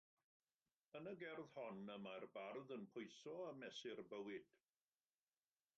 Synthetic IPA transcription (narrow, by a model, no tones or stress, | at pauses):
ənəɡɛrð̥hɔnəmarbarðənpʰʊjsɔamɛsɪrbəwɪd̥